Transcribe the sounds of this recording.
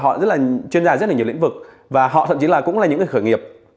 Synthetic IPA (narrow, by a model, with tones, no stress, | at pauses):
ɦɔ̰˧˨zə˦˥t̚laː˨˩t͡ɕwi˧ənzaː˧z̚laː˨˩ɲ̰˨˩˧ŋ̟vɨ˨˩k̚ | vaː˨˩ɦɔ̰˧˨t̪ʰə˧˨mt͡ɕi˨˦laː˨˩kʊ̰˧˥ŋ͡mla˨˩ɲɨ̰˧˥ŋə˨˩xəː˧˩jŋi˨˩əp̚